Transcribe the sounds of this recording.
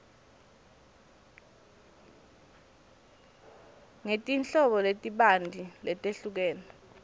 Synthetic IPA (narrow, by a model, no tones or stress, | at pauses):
ŋetʼint͡ɬɔɓɔletʼiɓandʱilɛtʼeɬuk̬ɛːnɔ